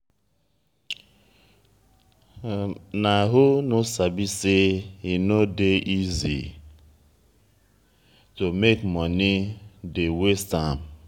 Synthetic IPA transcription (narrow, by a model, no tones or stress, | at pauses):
naɦʊnosabiseinodeʔizḭ | tomekmɔnidewestam